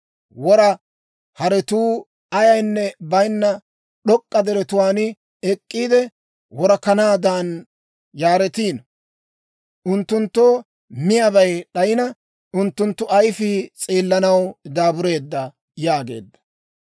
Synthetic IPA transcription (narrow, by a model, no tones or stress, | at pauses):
wɔɾɐ | hɐɾɛt̪uː | ɐjɐjnːɛbɐjnːɐ | ɗɔkʼːɐd̪ɛɾɛt̪ʊwaːnɪ | ɛkʼːiːd̪ɛ | wɔɾɐkɐnaːd̪aːn | jaːɾɛt̪iːnɐ | ʊnt̪ːʊnt̪ːoː | mɪjɐbɐjɗɐjɪnɐ | ʊnt̪ːʊnt̪ːʊɐjfit͡sʼiːlːɐnɐwd̪aːbʊɾe̞ːd̪ːɐ | jaːɡe̞̰ːd̪ːɐ̥